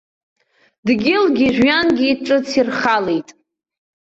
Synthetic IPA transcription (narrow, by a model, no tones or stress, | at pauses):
dɡʲɪlɡʲiʒʷᶣɥanɡʲiːʈ͡ʂʼɨt͡sʰirχalejtʼ